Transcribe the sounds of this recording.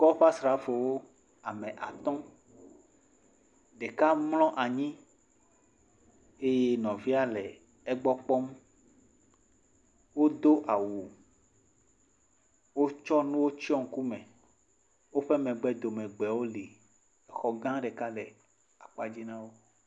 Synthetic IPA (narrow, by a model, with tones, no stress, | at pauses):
kɔ˦ɸa˦sɾa˨˦fo˨wo˦ | a˨mɛ̃˨ʔa˨t̪ɔ̃˦ | ɖe˨ka˦mlɔ̃˦ʔa˨ɲĩ˦ | e˦je˦nɔ̃˨vi˦a˦lɛ˨ | ɛ˦ɡ͡bɔ˦k͡pɔ˦m | wo˦d̪o˦ʔa˨wo˨ | wo˦t͡ʃɔ˦nũ˦wo˦t͡ɕi˦ɔ˦ŋ̩˨ku˦mɛ̃˨ | wo˦ɸɛ˦mɛ̃˨ɡ͡bɛ˦d̪o˨mɛ̃˨ɡ͡bɛ˨wo˦li˨ | ɛ˨xɔ˦ɡã˦ɖɛ˨ka˦lɛ˨ | a˨k͡pa˦d͡ʑi˦nã˦wo˦